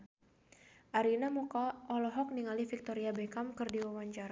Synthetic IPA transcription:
ʔaɾinamukaʔɔlɔɦɔk̚niŋalifik̚t̪ɔɾiabɛkamkɨrdiwawaɲt͡ʃaɾa

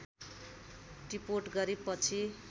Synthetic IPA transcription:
ripoʈɡʌɾepʌt͡sʰi

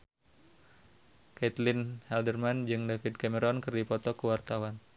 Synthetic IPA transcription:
kɛt̪lɪnhɛldərmand͡ʒɨŋdafid̚kaməɾɔnkɨrdipɔt̪ɔkəwart̪awan

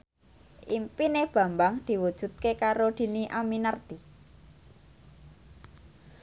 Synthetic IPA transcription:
ʔimpineb̥ä̤mbaŋd̪̥i̤wud̥ʒ̥ṳt̪̚kekaɾod̪̥i̤niʔaminərt̪i

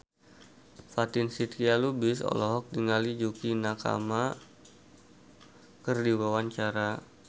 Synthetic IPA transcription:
fat̪ɪnsit̪kialubɪsɔ̰lɔɦɔk̚diŋalid͡ʒukinaka̰ma | kərdiwawaɲt͡ʃaɾa

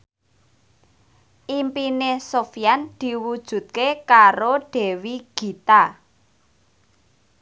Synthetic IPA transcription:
ʔimpinesofijand̪̥i̤wud̥ʒ̥ṳt̪̚kekaɾoɖ̥ɛ̤wiɡ̥i̤t̪a

